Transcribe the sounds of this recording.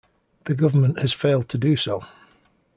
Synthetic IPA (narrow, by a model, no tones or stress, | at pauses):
ðəɡʊvəmə̃nʔhəz̥feɪlˠd̚tʰədəsoʊ